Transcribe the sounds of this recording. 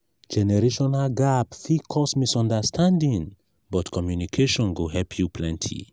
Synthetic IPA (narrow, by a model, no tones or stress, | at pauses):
d͡ʒɛnɛɹeʃɔnalɡapfikʰɔsmisɔ̃ndəstʰãndĩŋ | bɔtkʰɔmjunikʰeʃɔ̃nɡoɦɛlpʰjupʰlɛ̃ntʰḭ